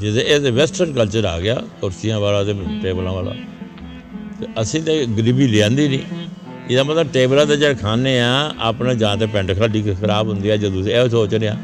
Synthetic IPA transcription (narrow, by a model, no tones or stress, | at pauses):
d͡ʒɪt̪eːeseʋɛːsʈəɾnkəlt͡ʃəɾa̰ːɡɪja̰ːkʊɾsɪjãːʋaːlãːt̪eːʈeːblãːʋaːla̰ː | t̪eəsĩːt̪ẽːɡəɾibiːɾɪãːnd̪iːnĩː | ɪd̪aːmət̪ləbʈeːblãːt̪eːd͡ʒeːkʰaːneːãːa̰ːpnẽːd͡ʒãːt̪eːpɛ̃ɳʈkʰaːliːkʰəɾaːbɦʊnd̪iːɛːd͡ʒəd̪ũsɛːsoːt͡ʃneːãː